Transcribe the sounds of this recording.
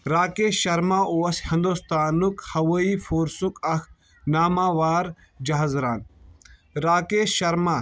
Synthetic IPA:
ɾaːkeːʃɐɾmaːʔoːɐshɐ̃nd̪ost̪aːnukhɐʋɐiːfʰoːɾsukɐx | naːmaːʋaːɾ | d͡ʒɐɦazɾaːn | ɾaːkeːʃɐɾmaː

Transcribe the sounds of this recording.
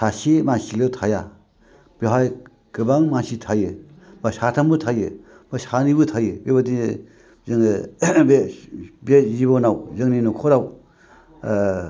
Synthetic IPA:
sasimasiletʰaja | b̥eɦaj | kɯbaŋmasit̪ʰajɯ | b̥asatʰambɯtʰajɯ | b̥ɯsanibɯtʰajɯbebadi | zɯŋbebezibɔnawzɯŋninɔkʰɔɾaw

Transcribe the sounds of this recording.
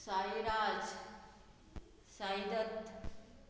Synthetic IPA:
sajɾaːd͡ʑ | sajd̪ət̪

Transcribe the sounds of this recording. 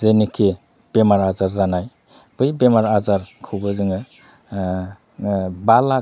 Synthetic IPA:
zenikʰe | b̥emaɾazaɾzanaj | bɯjbemaɾazaɾkʰubɯzɯŋɯ | bala

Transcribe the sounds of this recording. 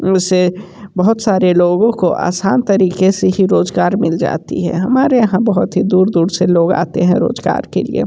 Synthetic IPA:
ʊse | bɐɦʊt̪saːɾeloːɡõkoʔa̰ːsaːnt̪ɐɾiːkeseɦiɾoːzɡaːɾmɪld͡ʒa̰ːt̪ḭɦɛ̰̃ɦɐmaːɾejɐɦãbɐɦʊt̪ɦid̪uːɾd̪uːɾseloːɡa̰ːt̪eɦɛ̃ɾo̰ːzɡa̰ːɾkḛlḭḛː

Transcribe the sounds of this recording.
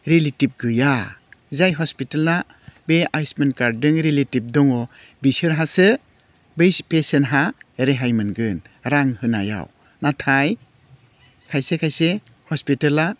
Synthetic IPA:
ɾelitip̚ɡɯjazajɦɔspitela | beajsmenkaɾdɯŋɾeletip̚dɔŋɔ | bisɯɾɦasɯ | bpesenɦaeɾeɦajmɯnɡɯn | ɾaŋhɯna̰ja̰w | natʰaj | kʰajsekʰajse | hɔspitala

